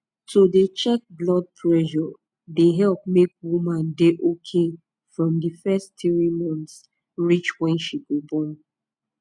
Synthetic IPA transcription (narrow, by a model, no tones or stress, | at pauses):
todet͡ʃɛk̚blɔd̚pʰɹɛʒɔ | deɦɛlp̚mek̚wumãndeʔokʰe | fɹɔ̃mdifɛsttiɹimɔ̃nts | ɹit͡ʃwɛ̃nʃiɡɔbɔn